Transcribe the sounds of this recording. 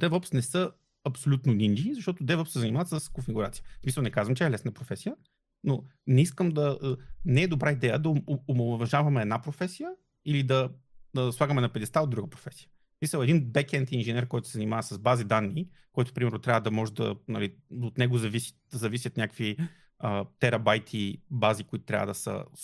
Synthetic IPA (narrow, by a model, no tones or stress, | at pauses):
d̪ɛvɔpsnɛsɤ | ɐpsolʲut̪nonʲinizɐʃt̪ɔt̪od̪ɛvɔpsɛzɐnʲimavɐt̪səskonfiɡuɾat̪sijəsmisəlˠnɛkazvəmt͡ʃɛɛlɛsnpɾofɛsijə | no | nɛiskəmd̪ɐnɛɛd̪obɾaid̪ɛjəd̪ɐomovɐʒavɐmɛɛːd̪napɾofɛsijə | ilid̪ɐ | əswˠaɡəmɛnɐpɛd̪ɛst̪aod̪ɾuɡəpɾo̥fɛsʲijə̥ | smisəlˠɛd̪inbɛkɛnt̪inʒɛnɛɾkɔjt̪ʊ̥sɛzɐnʲimavɐsɐzbazid̪anːi | kɔjt̪ʊ̥pɾimɛɾnʊt̪ɾʲavəd̪ɐmɔʒɛd̪ɐ̰nɐliot̪nɛɡozɐvisi̥t̪d̪ɐzɐvisʲjət̪nʲjakvi | ət̪ɛɾɐbajt̪ʰibazikʊit̪ʊ̥t̪ɾʲa̰və̰d̪ɐsə̰